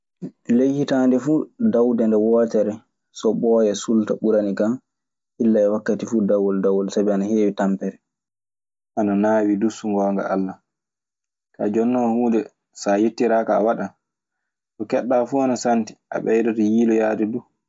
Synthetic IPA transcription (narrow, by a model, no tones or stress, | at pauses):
lejhitandɛfuːdawdɛndɛwɔːtɛɾɛ | sɔbɔjɛsultaɓuɾanikan | ʔilːaɛwakːatifuːdawːɔldawɔlsabɛanaheːwitampɛɾɛ | ʔananaːwidusuŋɡɔːŋɡa̰a̰lːa | ka̰d͡ʒɔnːɔhuːdɛ | sajetːiɾaːkaːwaɗa | sɔkɛɗːaːfuanasanti̥ʔa̰ɓɛjdɔtɔjiːlɔjaːdɛdu